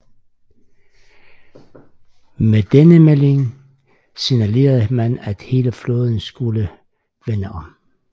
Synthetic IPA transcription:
med̥enəmele̝ŋ | sinæle̝̰ːɐðˠəmænæd̥he̝ːləflɔːð̞ˠn̩sɡ̥ulə | ʋenəʔɒ̽m

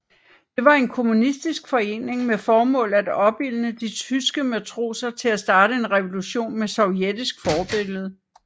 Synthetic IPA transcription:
d̥e̝ʋɑ̈e̝nkʰo̝munisd̥isɡ̥fɒ̽e̝̰ːne̝ŋmefɒːmɔ̰̽ːlæd̥ɒ̽b̥il̰nəd̥it͡sʰysɡ̥əmæt͡sʰʁo̝̰ːsɐt͡sʰe̝læsd̥ɑ̈ːɾ̥əe̝nʁɛʋo̝luɕo̝̰ːnmesɒ̽ʊjed̥isɡ̥fɒːb̥e̝ɡ̥ləð̞̩ˠ

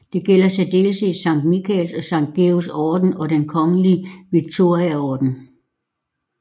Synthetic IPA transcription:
d̥e̝ɡ̥el̰ɐsæd̥e̝ːlseːsɑ̈ŋ̰d̥mikʰɛlsɒ̽sɑ̈ŋ̰d̥̚ɡ̥e̝ːosɒːd̥n̩ɒ̽d̥enkʰɒ̽ŋəliʋiɡ̥̚t͡sʰo̝ɐ̰iæɒːd̥n̩

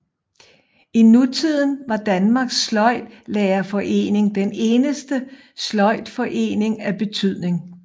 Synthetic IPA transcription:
inut͡sʰið̞̰ˠn̩ʋɑ̈d̥ænmɑ̈ɡ̥slɒ̽ɪ̰d̥lɛːɐfɒ̽ʔe̝̰ːne̝ŋd̥ene̝ːnəsd̥ə | slɒ̽ɪ̰d̥fɒ̽ʔe̝̰ːne̝ŋæb̥e̝t͡sʰyð̞̰ˠne̝ŋ

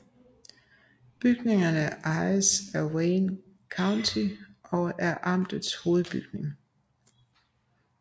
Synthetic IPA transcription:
b̥yɡ̥ne̝ŋɐnəʔɑ̈ɪəsæweːn | kʰɑ̈ʊnt͡sʰiʔɒ̽æɐʔɑ̈m̰d̥ð̩ˠsho̝ːð̩ˠb̥yɡ̥ne̝ŋ

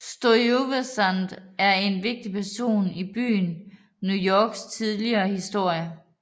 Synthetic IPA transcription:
sd̥ooʋesænd̥æɐe̝nʋe̝ɡ̥̚d̥ipʰæɐso̝̰ːnib̥y̰ːn | nujɒːɡ̥st͡sʰið̞ˠliɐːhisd̥o̝ɐ̰jə

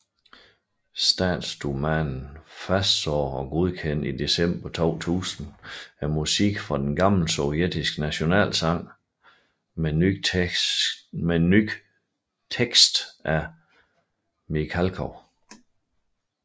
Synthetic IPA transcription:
sd̥æ̰ːd̥sd̥umænn̩fæsd̥sɒ̰ːɒ̽ɡ̥o̝ð̞ˠkʰen̰id̥e̝sem̰b̥ɐt͡sʰɒ̰ːt͡sʰṵːsn̩æɐmusiɡ̥fʁɑ̈d̥enɡ̥ɑ̈ml̩sɔʊjed̥isɡ̥næɕo̝nɛ̰ːlsɑ̈ŋ̰ | meny̥ | t͡sʰeɡ̥sd̥ʔæ | mikʰælkʰɒ

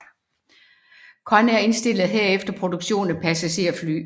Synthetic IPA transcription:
kʰɒ̽næɐe̝nsd̥e̝l̰ð̩ˠɦeɐ̰efd̥ɐpʰʁo̝d̥uɡ̥ɕo̝̰ːnn̩pʰæsæɕe̝̰ɐfly̰ː

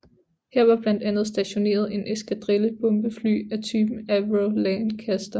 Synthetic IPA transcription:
heɐ̰ʋɑ̈b̥læn̰d̥ænð̞̩ˠsd̥æɕo̝ne̝̰ːɐð̞ˠe̝nʔesɡ̥æd̥ʁeləb̥ɔ̽mb̥əfly̰ːæt͡sʰyːb̥n̩æʋʁolɛnkʰæsd̥ɐ

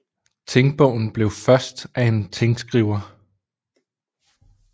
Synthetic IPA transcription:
t͡sʰeŋɡ̥̚b̥ɔ̽ʊ̰n̩b̥le̝ʊfɶɐsd̥ʔæe̝nt͡sʰeŋɡ̥sɡ̥ʁiʊ̰ɐ

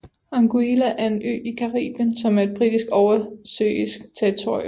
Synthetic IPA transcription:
ɑ̈ŋɡ̥uilæʔæɐe̝nʔø̰ːikʰɑ̈ʁḭːb̥jənsɒ̽mæɐe̝d̥̚b̥ʁid̥isɡ̥ɒʊɐsø̰isɡ̥t͡sʰeʁit͡sʰo̝̰ɐ̰jm

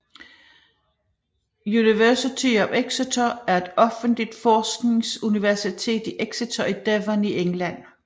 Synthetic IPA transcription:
juniʋæɐsit͡sʰiɒ̽meɡ̥sit͡sʰoæɐe̝d̥ɒ̽fən̩d̥lid̥fɒːsɡ̥ne̝ŋsuniʋæɐsit͡sʰe̝̰ːd̥iʔeɡ̥sit͡sʰoid̥eʋɐniʔeŋlæn̰

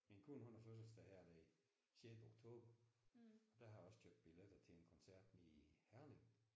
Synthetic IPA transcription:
menkʰunhonɐføs̬əlsd̥æhæɐ̰d̥æi | senoɡ̥t͡sʰo̝̰ːb̥ɐ | ɒ̽d̥æhɑ̈ɒ̽sɡ̥ʰjøɐb̥̚d̥̚b̥iled̥ɐt͡sʰe̝enkʰɒ̽nsæɐ̰d̥nihæɐleŋ

